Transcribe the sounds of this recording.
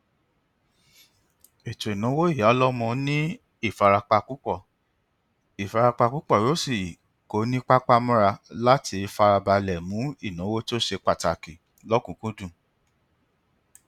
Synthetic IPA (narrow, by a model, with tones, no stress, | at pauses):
i˨to˨i˨nũ˨˦wo˦i˦˨ja˨˦lɔ˦mɔ̃˧nĩ˦ | i˦˨fa˧ɾa˧k͡pa˧ku˦k͡pɔ˦˨ | i˨fa˧ɾa˧k͡pa˧ku˦k͡pɔ˦˨ɾo˨˦si˦˨ | ko˨˦nĩ˦k͡pa˦k͡pa˦mɔ̃˦ɾa˧la˦ti˧fa˧ɾa˧ba˧lɛ˨mũ˨˦i˦˨nũ˨˦wo˦ti˦o˦ʃe˧k͡pa˦˨ta˨ki˨ | lɔ˦kũ˨˦kũ˦dũ˦˨